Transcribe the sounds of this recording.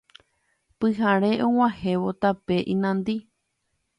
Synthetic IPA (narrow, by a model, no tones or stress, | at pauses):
pɨɦaɾe̞ʔõw̃ãhe̞ʋot̪ape̞ʔĩnãnd̪i